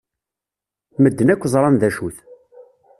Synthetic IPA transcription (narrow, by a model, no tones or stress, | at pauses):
məd̪ːənækʷːzˤɾˤɑnðæʃuθ